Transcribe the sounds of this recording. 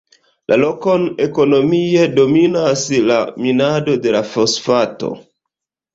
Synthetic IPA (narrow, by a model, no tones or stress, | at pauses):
lʔalo̞ko̞ne̞ko̞no̞miedo̞minasla̰minado̞de̞lafosfato̞̰